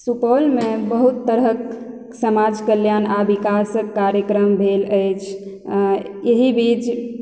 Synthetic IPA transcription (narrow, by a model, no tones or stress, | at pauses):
supəlmebəɦut̪ːəɾək | səmad͡ʒkəljanabikasəkːaɾjəkɾəmbʱeləjt͡ʃʰ | jeɦibit͡ʃ